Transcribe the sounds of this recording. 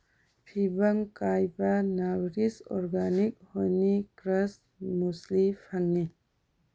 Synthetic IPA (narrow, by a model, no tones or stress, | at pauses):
pʰibɐŋkajbɐnawɾisɔ̰ɾɡanik̚hojnikɾas | muslipʰaŋni